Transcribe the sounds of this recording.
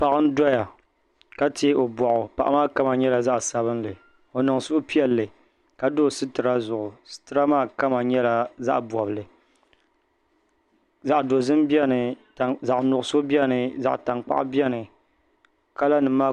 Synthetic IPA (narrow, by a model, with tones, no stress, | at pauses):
pa˨ʔɨ˦n˦dɔ˦ja˨ | ka˦te˦o˨bɔ˨ʔʊ˨pa˨ʔmaː˦ka˦ma˨ɲɛ˦la˨za˦ʔsa˨bɨ˦nlɨ˨ | o˨nɨ˨ŋsʊ˦pi˦ɛ˦lːɨ˨ | ka˨do˦˨sɨ˦tɨ˨ɾa˦zʊ˨ʔʊ˨sɨ̥˦tɨ˦ɾa˦maː˦ka˦ma˨ɲɛ˦la˨za̰˦ʔbɔ˨bɨ˨lɨ˨ | za˨ʔdo˨zɨ˦mbi˦ɛ˦nɨ˨ | za˨ʔnʊ˨ʔʊ˨so˦bi˦ɛ˦nɨ˨za̰˨ʔta˨ŋk͡pa̰˦ʔbi˦ɛ˦nɨ˨ | ka˦la˦nɨ˨maː˦˨